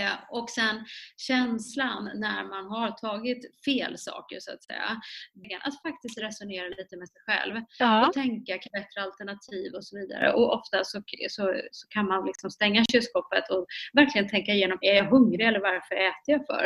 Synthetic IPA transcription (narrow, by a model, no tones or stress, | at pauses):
ɔksɛnɕɛnslanːæ̰ɾmanɦaɾt̪ʰɑːɡɪt̪feːlsɑ̰ːkə̰ɾʂʊa̰t̪sɛ̰jːa̰bɡanʔa̰t̪fak̚t̪ɪst̪ɾɛsʊneːɾaliːt̪əmɛsɛjɧɛ̰lvɔt̪ʰɛŋkakʰbɛt̪ɾəalt̪əɳat̪ʰiːvɔsɔviːd̪a̰ɾə̰ʔɔɔft̪asɔsɔsɔkʰanmanlɪksɔmst̪ɛŋːaɕʉskɔpət̪ʰɔvæɾklɪɡənt̪ʰɛŋkaɪjeːnɔmɛɾjaɦɵŋɾɪɛlːəɾvaɾfœɾɛːt̪əjafœ̰ɾ